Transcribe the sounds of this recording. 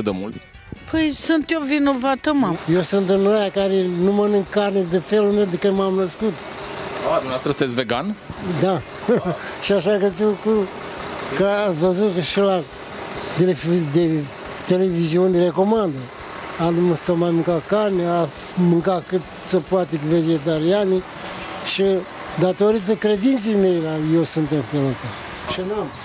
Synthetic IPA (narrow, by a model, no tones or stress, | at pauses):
d̪əmult̪ | pʰəjsunt̪jovinovat̪əmajewsɨnt̪ɨnojakaɾenumənɨŋkarned̪efelulme̞wd̪ekɨmamnəskut̪ | d̪umneast̪ɾəsɨnt̪esʲveɡand̪a | ʃiaʃakət̪iku | kəasvəzut̪kaʃela | t̪elefd̪e | t̪e̞le̞viziunʲre̞ko̞mand̪ə | anumsamajmɨŋkatkanʲa | mɨŋkakɨt̪ | səpuat̪eved͡ʒet̪̬aɾiani | ʃi | d̪at̪o̞ɾit̪əkɾe̞d̪int̪sejme̞jlajewsunt̪emfeləsa | ʃinam